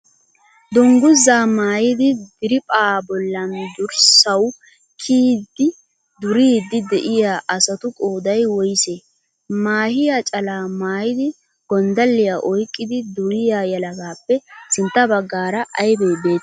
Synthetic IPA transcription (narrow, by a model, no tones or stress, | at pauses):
d̪ʊŋɡʊzːaːmaːjɪd̪ɪd̪ɪɾɪpʼaːbɔlːɐnd̪ʊɾsɐw | kʰiːd̪ːɪ | d̪ʊɾiːd̪ɪd̪ɛʔɪjaːʔɐsɐt̪ʊkʼoːd̪ɐjwɔjɪseː | maːhɪjat͡ʃʼɐlaːmaːjɪd̪ɪ | ɡ̥ɔnd̪ɐlːɪjaʔɔjkʼːɪd̪ɪd̪ʊɾɪjajɐlɐɡaːpːɛsɪnt̪ːɐbɐɡːaːɾɐʔɐjbeːbe̞ːt̪ː